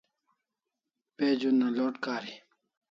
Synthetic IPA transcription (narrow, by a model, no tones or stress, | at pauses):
peːd͡ʑunːaloːʈkaːɾi